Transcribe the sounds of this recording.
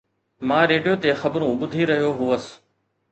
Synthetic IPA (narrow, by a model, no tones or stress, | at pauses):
mãːɾeːɖijoːt̪exɐbɾũɓʊd̪ʱiɾɐɦijoɦuəs